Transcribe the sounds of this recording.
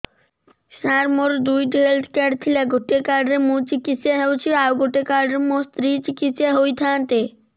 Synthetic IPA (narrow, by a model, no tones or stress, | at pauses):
ʃaɾmoɾd̪ujʈiɦelt̪ʰkɛɖt̪ʰilaɡoʈekaɾɖɾemut͡ɕikisaɦewt͡ɕʰiawɡoʈekaɾɖɾemost̪ɾit͡ɕikit̪saɦojt̪ʰãːnt̪e